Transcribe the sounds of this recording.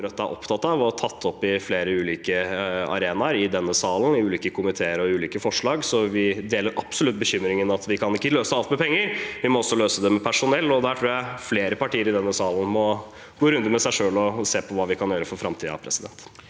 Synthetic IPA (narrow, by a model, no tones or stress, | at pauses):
ɾœt̪ːæʔɔ̰pt̪ʰɑt̪ːɑʋɔt̪ʰɑt̪ʰːɔpːɪfleːɾəʉːliːkəɑ̰ɾeːnɑɾɪd̪ɛnːəsɑːln̩ɪʉːliːkəkʰʊmɪt̪ʰeːəɾɔʉːliːkəfɔʂlɑːɡsɔʋɪd̪eːləɾʔɑpsɔlʉt̪̚bəçʏmːɾɪŋənɑt̪ʋɪkʰɑnɪkːəløːsəɑlt̪mɛpʰɛŋːəɾʋɪmɔɔsːɔløːsəd̪ɛmɛpʰæʂʊnɛlːɔd̪æʈʰɾuːjæɪfleːɾəpɑʈʰiːəɾɪd̪ɛnːəsɑːln̩mɔ | ɡoːɾʉnd̪əmɛsæɪʂøːlɔseːpʰɔʋɑːʋɪkʰɑnjøːɾəfɔɾfɾɑmt̪ʰiːɑ̰pʰɾɛsɪd̪ɛ̰nt̪